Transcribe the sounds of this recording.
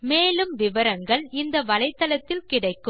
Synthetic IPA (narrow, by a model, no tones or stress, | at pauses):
meːlɯmʋɪʋɐɾɐŋɡɐɭɪnd̪ɐʋɐlɐɪt̪ːɐlɐt̪ːɪlkɪɽɐɪkːɯ